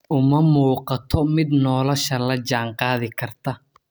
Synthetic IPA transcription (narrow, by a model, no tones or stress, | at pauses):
ʔʊmɐmuːqɑt̪ʰɔmɪd̪nɔːlɔʃɐlɐd͡ʒaːɴqɑːðɪkʰɐrt̪ʰɐ